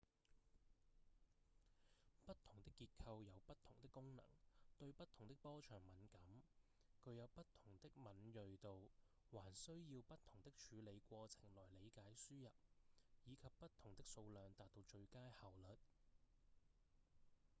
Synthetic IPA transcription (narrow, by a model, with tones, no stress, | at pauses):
pɐ˥t̚t̪ʰʊ˨˩ŋt̪ɪ˥kːiː˧t̚kʰɐ˧wjɐ˨˧wpɐ˥t̚t̪ʰʊ˨˩ŋt̪ɪ˥kːʊ˥ŋnɐ̰˨˩ŋt̪ɵ˧ɥpɐ˥t̪ʰʊ˨˩ŋt̪ɪ˥k̚pɔː˥t͡ʃʰœː˨˩ŋmɐ˨˥nkɐ˨˥m | kʰɵ˨˧ɥjɐ˨˧wpɐ˥t̚t̪ʰʊ˨˩ŋt̪ɪ˥k̚mɐ˨˥njɵ˨˧ɥt̪o˨˧w | waː˨˩nsɵ˥ɥjiː˧wpɐ˥t̚t̪ʰʊ˨˩ŋt̪ɪ˥k̚t͡ʃʰyː˨˥le˨˧jkʷɔː˧t͡sʰɪ̥˨˩ŋlɔː˨˩jle˨˧jkaː˨˥jsyː˥jɐ˨p̚jiː˨˧kʰɐ˨pːɐ˥t̚t̪ʰʊ˨˩ŋt̪ɪ˥k̚so˧wlœː˨˧ŋt̪aː˨t̚t̪o˧wt͡ʃɵ˧ɥkaː˥jhɐ˨˩wlɵ˨t̚